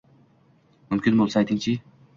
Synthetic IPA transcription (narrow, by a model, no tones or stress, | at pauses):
mʊmkʲʰɪnbolˠsajt̪ʰɪŋt͡ʃʰɪ